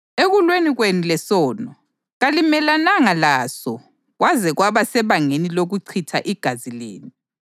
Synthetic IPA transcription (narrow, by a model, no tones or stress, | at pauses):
eɣulweniɣwenulɛsɔːnɔ | ɣalimɛlanaŋalaːsɔ | ɣwazɛɣwaβasɛβaŋeniloɣuǀʰitʰa̰ʔiɡ̥ʱazilḛːni